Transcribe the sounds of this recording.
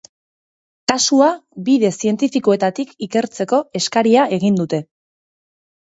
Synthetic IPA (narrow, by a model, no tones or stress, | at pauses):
kasuabiðe̞sie̞nt̪ifikoe̞t̪at̪ikike̞ɾt͡se̞ko̞e̞skaɾiae̞ɣ̞ind̪ut̪e̞